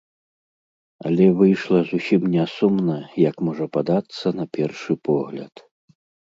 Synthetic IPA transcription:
ɐ̰lʲɛvɨjʂlˠɐzusʲimnʲɛsumnɐjɐkmɔʐɐpad̪at̪sːɐnɐpʲɛrʂɨpɔɣlʲɐ̰t̪

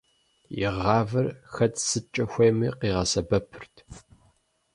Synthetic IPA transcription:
jɪ̰ʁɑːvɨrxɐtʰsɨt͡ʃʼɐxʷejmiːqiːʁɐsɐbɐpʰɨrtʰ

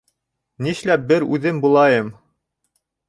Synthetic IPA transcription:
niʃlæp̚bɘɾʉðɘmbulˠɑjɤm

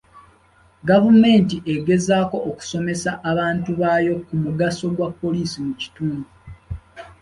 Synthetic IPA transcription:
ɡavume̞ːntiʔe̞ɡe̞zaːko̞ʔːku̥so̞me̞saʔaβaːntuβajo̞kumuɡaso̞ɡwapːo̞liːsimuci̥tuːmbu

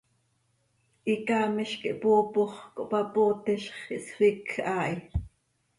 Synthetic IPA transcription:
ʔikɑːmiʃkiʔpoːpoχkoʔpɑpot̪ɛʃχiʔswikʔɑːʔi

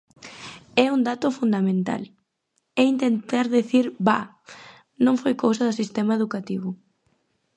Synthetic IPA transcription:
ɛund̪at̪ʊfund̪amẽnt̪a̰l | ɛint̪ent̪aɾðeθiɾba̰ | nõŋfojkowsɐðʊsist̪ɛmaeðukat̪iβ̞ʊ

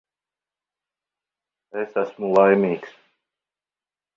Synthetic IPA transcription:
esæsmulˠajmiːks

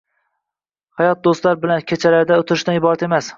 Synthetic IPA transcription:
hajɒt̪̚d̪ost̪laɾbɪlankʲʰet͡ʃʰalaɾd̪aʊt̪ʰɪɾɪʃt̪anɪbɒɾat̪e̞mas

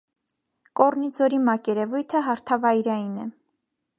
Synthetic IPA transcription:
kɔrnid͡zɔɾimɑkɛɾɛvujt̪ʰəɦɑɾt̪ʰɑvɑjɾɑjinɛ

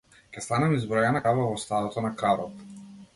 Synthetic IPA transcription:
kʲɛst̪anamizbɾɔjanakavavɔst̪ad̪ɔt̪ɔnakaɾɔt̪

